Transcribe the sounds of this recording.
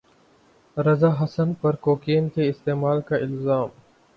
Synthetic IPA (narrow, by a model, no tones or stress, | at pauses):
ɾɐzaːɦɐsənpɐɾkoːkeːnkeɪst̪eːmaːlkaʔɪlzaːm